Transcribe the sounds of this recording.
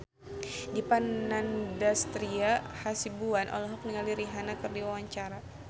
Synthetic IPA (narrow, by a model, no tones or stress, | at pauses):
dipanandast̪ɾiahasibuanʔɔ̰lɔɦɔk̚niŋaliɾiɦanakɨrdiwawaɲt͡ʃaɾa